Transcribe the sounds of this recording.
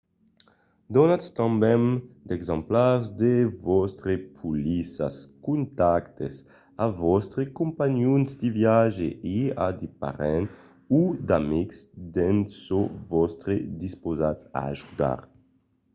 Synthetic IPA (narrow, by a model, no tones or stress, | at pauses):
d̪ɔnat̪st̪ãmbɛnd̪ɛɡzãmplaɾzd̪evɔst̪ɾepʰulisa̰skunt̪akt̪es | avɔst̪ɾekũmpaɲjunzd̪ivjaʒeiad̪ipa̰ɾɛn | ud̪amiksd̪ɛnsovɔst̪ɾed̪ispozasa̰a̰ʒud̪a̰ɾ